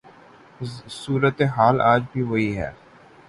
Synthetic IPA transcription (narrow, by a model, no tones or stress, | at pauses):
suːɾət̪eɦaːlaːd͡ʒbʱiʋɐɦiɦɛ̰ː